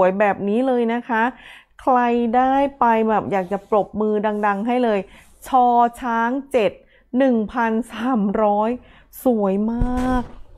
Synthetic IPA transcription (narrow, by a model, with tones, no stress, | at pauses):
ə˦jbɛː˨˩p̚niː˦˥lɤː˧jna˦˥kʰa˦˥ | kʰɾa˧jdaː˥˩jpa˧jbɛː˨˩p̚jaː˨˩k̚t͡ɕa˨˩pɾo˨˩p̚mɯː˧da˧ŋda˧ŋɦa˥˩jlɤː˧j | t͡ɕʰɔː˧t͡ɕʰaː˦˥ŋt͡ɕe˨˩t̪̚ | nɯ˨˩ŋpʰa˧nsaː˩˦mɾɔː˦˥j | su˩˦əjmaː˥˩k̚